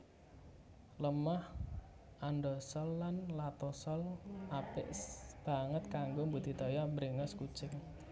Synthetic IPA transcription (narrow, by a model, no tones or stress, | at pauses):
ləmah | ʔanɖɔsɔlːanlat̪ɔsɔlʔapɪʔb̥a̤ŋət̪̚kaŋɡombud̪̥i̤t̪ɔjaməɾiŋɔskut͡ʃɪŋ